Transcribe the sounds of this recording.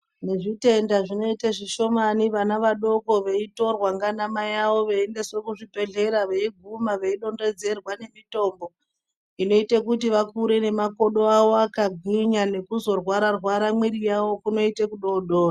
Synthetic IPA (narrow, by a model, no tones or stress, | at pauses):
ne̞ʐite̞ndaʐino̞itaʐiʃo̞maniʋanaʋaɗo̞ko̞ʋe̞ito̞rwaŋɡanamajaʋo̞ʋeːnde̞swekuʐipe̞ɮe̞ɾaʋeiɡʱumaʋe̞iɗo̞nde̞d͡ze̞rwane̞mito̞ːmbo̞ | ino̞itekutiʋakuɾe̞ne̞mako̞ɗo̞aʋoakaɡʱwiɲane̞kuzo̞rwaɾarwaɾamwiɾijawo̞kuno̞itekuɗo̞ɗoːra